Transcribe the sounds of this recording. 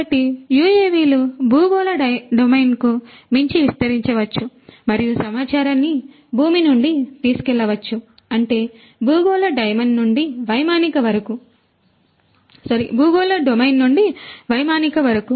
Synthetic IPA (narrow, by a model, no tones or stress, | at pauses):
ɐʈijuːeːʋiːlubʱuːɡoːlɐɐɖomɐjnkumiɲt͡ʃiʋist̪ɐɾiɲt͡ʃɐʋɐt͡ʃːumɐɾijusɐmaːt͡ʃaːɾɐnːi | bʱuːminuɳɖit̪iːsu̥kɛɭːɐʋɐt͡ʃːu | ɐɳʈe̞ː | buːɡoːlɐɖɐjmɐɳɖnuɳɖiʋɐjmaːnikɐʋɐɾɐku | sɐɾḭbuːɡoːlɐɖomɐjnːuɳɖiʋɐjmaːnikɐʋɐɾɐku